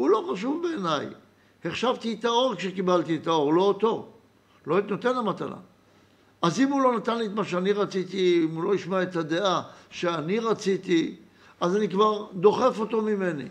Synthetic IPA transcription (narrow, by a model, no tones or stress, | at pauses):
ulo̞χaʃuvbeːnaj | he̞χʃavt̪iet̪ao̞ʁkʃekibalt̪iet̪ao̞ʁlo̞ːt̪o̞ | loit̪not̪e̞namat̪a̰la̰ | ʔazimulo̞nat̪anliet̪maʃeaniʁat͡sit̪iimulo̞iʃmaet̪ad̪e̞ʔaʃeaniʁat͡sit̪i | azanikvaʁd̪o̞χe̞fo̞t̪o̞mime̞nḭ